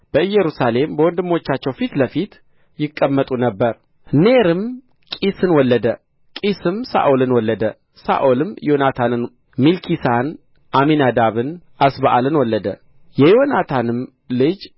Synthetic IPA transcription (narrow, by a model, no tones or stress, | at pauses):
b̥əɨjːɛɾusale̞mbəwɔnd̪ɨmːo̞t͡ʃːat͡ʃːɛwfit̪ləfit̪ | jɪkʼːəmːət̪ʼunəbːəɾ | neɾɨm | kʼisɨnwɔlːəd̪ə | kʼisɨmsa̰ʔolɨnwɔlːəd̪ə | sa̰ʔolɨmjo̞nat̪ʰanɨn | milkʰisan | ʔaminad̪aβɨnʔasbaʔalɨnwɔlːəd̪ə̰ | jɛjonat̪ʰanɨm | lɨd͡ʒ